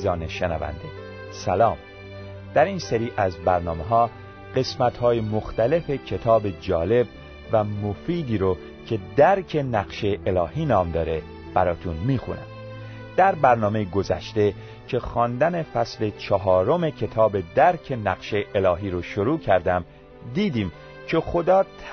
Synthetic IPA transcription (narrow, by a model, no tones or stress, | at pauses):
zɒːneʃenæ̰væ̰nd̪e | sælɒːm | d̪̥æɾiːnseɾiːʔæzbæɾnɒːme̞ɦɒː | ɢ̥e̞smæt̪hɒːjemoxt̪æle̞fe̞cʰe̞t̪ʰɒːbe̞d͡ʒɒːle̞b | væmofiːd̪iːɾo | cʰe̞d̪æɾcʰe̞næɣʃeʔelɒːhiːnɒːmd̪ɒːɾe̞ | b̥æɾɒːt̪ʰunmiːxṵnæ̰m | d̪̥æɾbæɾnɒːmejeɡo̞zæ̰ʃt̪e̞ | cʰe̞xɒːnd̪æne̞fæsle̞t͡ʃʰɒɦɒːɾo̞me̞cʰe̞t̪ʰɒːbe̞d̪æɾcʰe̞næɣ̥ʃe̞jʔelɒːɦiːɾoʃoɾuːcʰæɾd̪æm | d̪iːd̪iːm | cʰe̞xo̞d̪ɒːt̪ʰ